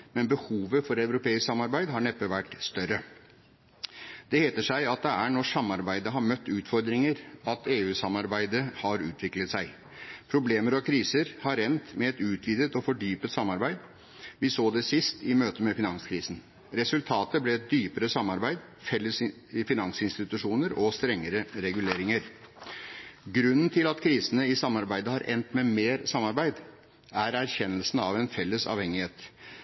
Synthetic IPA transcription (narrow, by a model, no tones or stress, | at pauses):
mɛnbəhuːʋəfɔɾæʉɾʊpʰeːɪsksɑmːɑɾbæɪd̪ɦɑɳɛpːəʋæʈːst̪œɾə | d̪̥ɛheːt̪əʂæɪɑt̪̚d̪ɛæɳɔʂɑmːɑɾbæɪd̪əɦɑɾmœt̪ːʉːt̪fɔɾd̪ɾɪŋəɾɑt̪eːʉːsɑmɑɾbæɪd̪əhɑɾʉːt̪ʰʋɪklət̪sæɪ | pʰɾʊbleːməɾɑkʰɾiːsəɾhɑɾɛnt̪mɛɛt̪ʉːt̪ʰʋiːd̪ət̪ɔfɔɖyːpət̪sɑmːɑɾbæɪd̪ | ʋɪsoːd̪ɛsɪst̪ɪmøːt̪əmɛfɪnɑŋskʰɾiːsn̩ | ɾɛsʉlt̪ʰɑːt̪əblɛɛt̪̚d̪yːpəɾəsɑmːɑɾbæɪd̪ | fɛlːəs | fɪnɑŋsɪnst̪ɪt̪ʉʂuːnəɾɔst̪ɾɛŋːəɾəɾɛɡʉleːɾɪŋəɾ | ɡɾʉnːnt̪ʰɪlɑt̪kʰɾiːsənəɪsɑmːɑɾbæɪd̪əhɑɾʔɛ̰nt̪mɛmeːɾsɑmːɑɾbæɪd̪ | æɾæɾçɛnːəlsn̩ɑʋɛnfɛlːəsɑ̰ːʋhɛŋːɪheːt̪